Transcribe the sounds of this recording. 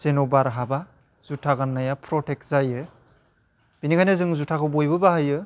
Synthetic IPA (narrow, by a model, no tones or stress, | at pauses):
z̥enobaɾɦaba | z̥utʰaɡanːajapʰɾɔtʰek̚zajɯ | binikʰajnɯzɯŋzutʰakʰɯbojbɯbahajɯ